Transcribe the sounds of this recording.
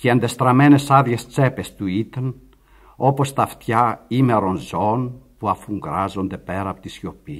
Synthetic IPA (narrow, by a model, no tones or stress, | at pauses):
ceɐnd̪est̪ɾɐme̞ne̞sɐðʝest͡se̞pest̪uit̪en | o̞po̞st̪ɐft̪çɐime̞ɾo̞nzo̞npuɐfuŋɡɾɐzo̞nd̪e̞pe̞ɾɐːpot̪isço̞pi